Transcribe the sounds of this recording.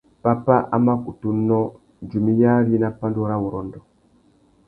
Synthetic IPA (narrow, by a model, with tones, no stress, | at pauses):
pa˦pa˦ʔa̰˦ma˦ku˨tu˦nɔ˦ | d͡ʒu˨mi˦ja˦ɾi˦na˦pa˦ndu˦ɾa˦wu˨ɾɔ˨ndɔ˨